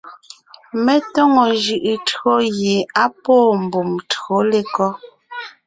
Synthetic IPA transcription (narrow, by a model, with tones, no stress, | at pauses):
mɛ˦tɔ˦ŋɔ˨ʒɯ˨ʔɯ˨tɰo˦ɣje˨a˦pɔː˦˨m̩˨bu˨mto˦le˦kɔ˦